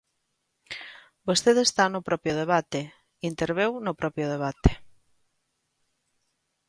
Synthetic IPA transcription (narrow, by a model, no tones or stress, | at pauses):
bost̪eðest̪anʊpɾɔpjʊðeβ̞at̪e | int̪eɾβ̞ewnʊpɾɔpɾjʊð̞eβ̞at̪e̥